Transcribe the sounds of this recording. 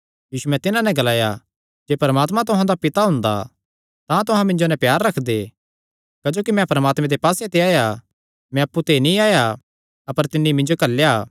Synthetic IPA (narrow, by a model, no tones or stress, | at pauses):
jiːsumɛ̃t̪ɪnãnɛ̃ɡɐlaːja̰ | d͡ʒeːpɐɾəmaːt̪mãt̪ʊɦãd̪apɪt̪aɦʊ̃nd̪a̰ | t̪ãt̪ʊɦãmɪ̃ɲd͡ʒonɛ̃pjaːɾːɐkʰd̪e | kɐd͡ʒoːkimɛ̃pɐɾəmaːt̪mɛ̃d̪epaːset̪eaːja | mɛ̃ɐpːut̪enĩaːja | ɐpəɾt̪ɪnːimɪ̃ɲd͡ʒokɐlːja